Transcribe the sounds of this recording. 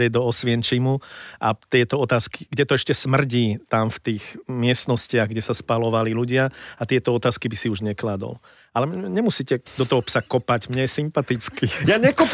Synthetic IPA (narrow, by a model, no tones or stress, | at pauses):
ɾɪɛd̪ɔɔsʋɪɛnt͡ʃimuʔa̰t̪ɪɛt̪ɔɔt̪aːski̥ɡɟɛt̪ɔɛʃcɛsmr̩ɟiːt̪amft̪iːɣmɪɛst̪nɔscɪaɣɡɟɛsaspalɔʋaliluɟɪaat̪ɪɛt̪ɔɔt̪aːskibisiuʒɲɛklad̪ɔ̰l | alɛɲɛmusiːcɛd̪ɔt̪ɔɦɔpsakɔpaɟmɲɛjɛsimpat̪it͡skijaɲɛkɔp